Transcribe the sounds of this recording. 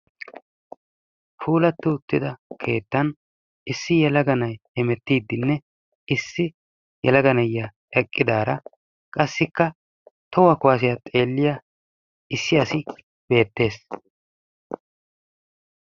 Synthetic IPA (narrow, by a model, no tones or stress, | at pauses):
fʰuːlɐt̪ːɪʊt̪ːɪd̪ɐkʰe̞ːt̪ːɐn | ɪsːɪjɛlɐɡɐnɐjɛmɛt̪ːiːd̪ːɪnːɛ | ɪsːɪ | jɛ̰lɐɡɐnɐjːɐ | ɛkʼːɪd̪aːɾɐ | kʼɐsːɪkːɐ | t̪ɔwɐkʊwaːs̬ɪjɐt̪ʼe̞ːlːɪjɐ | ɪsːɪɐsɪ | b̥e̞ːt̪ːe̞ːs